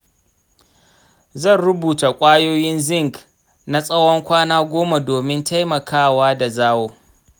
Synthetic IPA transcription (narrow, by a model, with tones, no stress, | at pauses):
zɐ˦˨nɽʊ˦buː˨ta˨kʷʼaː˦joː˦jɪ˦nzɪ˦˨ŋk | na˦sʼɐ˦wɔ˦ŋkʷaː˦naː˦ɡʷoː˦ma˨doː˨mɪ˦ntʰa˦jmɐ˨kʰaː˦˨waː˦da˨zaː˦woː˦